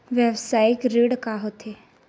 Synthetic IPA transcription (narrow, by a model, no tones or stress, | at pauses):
ʋjəʋsaːɪkɾiɽkaɦot̪ʰe